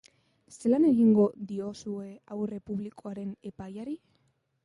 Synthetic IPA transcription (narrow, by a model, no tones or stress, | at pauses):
se̞lane̞ɣiŋɡo̞ðio̞sue̞awre̞puβlikʰo̞aɾe̞ne̞pajaɾi